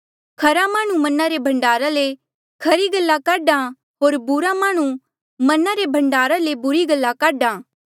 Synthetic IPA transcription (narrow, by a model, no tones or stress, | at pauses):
kʰɐɾamãːɽ̃ũmɐnaɾebʱɐ̃ɳɖaːɾale | kʰɐɾiɡɐlːakaːɖã | ɦoːɾbʊɾamãːɽ̃ũ | mɐnaɾebʱɐ̃ɳɖaːɾalebʊɾiɡɐlːakaːɖãː